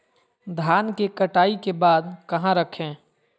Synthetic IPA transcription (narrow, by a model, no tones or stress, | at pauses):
d̪ʱaːnkekɐʈaːikebaːd̪kɐɦãɾəkʰẽː